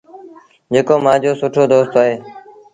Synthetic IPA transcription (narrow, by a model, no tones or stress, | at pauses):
d͡ʒeːkoːmãːd͡ʒoːsʊʈʰoːd̪oːst̪aːɦeː